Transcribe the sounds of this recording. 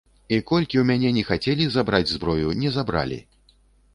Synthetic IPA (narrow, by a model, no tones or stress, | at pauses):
ikɔlʲkʲiwmʲanʲɛnʲɛxat͡sʲɛlʲizabɾad͡zʲzbɾɔjunʲɛzabɾa̰lʲḭ